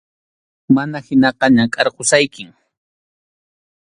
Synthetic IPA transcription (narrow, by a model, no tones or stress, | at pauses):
manahɪnɑqɑɲakʼɑɾqosajkɪŋ